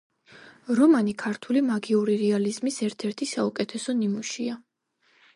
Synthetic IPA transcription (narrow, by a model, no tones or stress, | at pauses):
ɾɔmanikʰaɾt̪ʰulimaɡiuɾiɾɛalizmisɛɾt̪ʰɛɾt̪ʰisaukʼɛt̪ʰɛsɔnimuʃia